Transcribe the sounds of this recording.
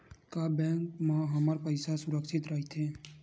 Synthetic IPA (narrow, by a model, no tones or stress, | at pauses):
kaːbɛ̃ːŋkmãɦəməɾpəɪsasʊɾəkʃɪt̪ɾəɦit̪ɦɛ̃ː